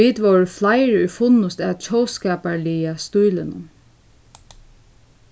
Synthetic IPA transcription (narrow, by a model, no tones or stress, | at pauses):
iːd̪ʋowɹəflaɪɹʏjfʊnʊst̪æt͡ʃʰɔwskɛːpaɹliːast̪ujlɪnʊ̰m